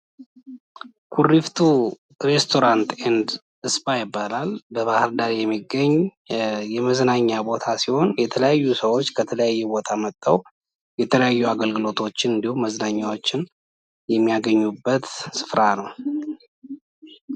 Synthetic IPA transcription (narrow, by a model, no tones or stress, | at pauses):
kʰurːift̪ʰu | ɾe̞st̪ʰo̞ɾant̪end̪ | ɨspajɪbːalalbəβahɨɾd̪aɾjɛmːiɡːəɲː | jɛməznaɲːabo̞t̪ʰasiho̞njɛt̪ʰələjajːusəwot͡ʃːkʰət̪ʰələjajːɛbo̞t̪ʰamət̪ʼːəw | jɛt̪ʰələjajːuaɡəlɡɨlo̞t̪ʰo̞t͡ʃːɪnɨnd̪ihumːəznaɲːawo̞t͡ʃːɪn | jɛmːijaɡəɲːubːət̪sɨ̥fɾanəw